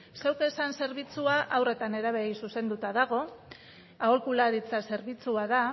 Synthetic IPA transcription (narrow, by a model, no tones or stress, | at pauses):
sewke̞sanse̞ɾβ̞it͡suaʔawre̞t̪ane̞ɾaβ̞eɣisuse̞nd̪ut̪aðaɣ̞o̞ | aolkulaɾit͡sase̞ɾβit͡suaða